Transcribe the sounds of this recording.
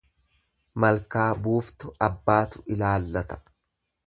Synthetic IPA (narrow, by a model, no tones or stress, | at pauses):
mɐlkaːbuːft̪ʊɐbːaːt̪ʊɪlaːlːɐt̪ɐ̥